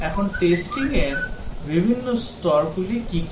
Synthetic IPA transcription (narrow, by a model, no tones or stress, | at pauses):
ɛkʰonʈesʈiŋeɾbibʱinːost̪ɔɾɡulikik